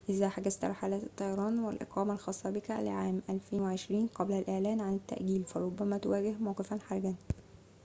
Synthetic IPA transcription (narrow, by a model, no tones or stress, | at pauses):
ʔɪzæħaɡæzt̪ɾˤħalæːt̪e̥t̪ˤːɑjɑɾˤɑːnwɪlʔḛqɑːmælxɑːsˤːɑbɪkæ̰lɪ̰ʕaːmʔælfeːnweʕeʃɾiːnqɑblælʔeʕlæːnʕanɪt̪ːæ̰ʔɡiːlfæɾˤobːæmæt̪owæːɡɪhmɑwqefænħaɾˤɡæn